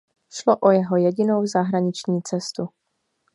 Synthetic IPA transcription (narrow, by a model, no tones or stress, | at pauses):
ʃloʔojɛɦo̞jɛɟɪnowzaɦɾaɲɪt͡ʃɲiːt͡sɛst̪u